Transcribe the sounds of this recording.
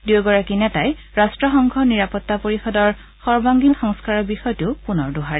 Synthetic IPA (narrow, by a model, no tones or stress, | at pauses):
dioɡɔɹakinɛtaj | ɹastɹɔxɔŋɡʱɔniɹapɔtːapoɹixɔdɔɹ | xɔɹbaŋɡilxɔŋskaɹɔɹbixɔjtʊpunɔɹdʊɦaɹɛ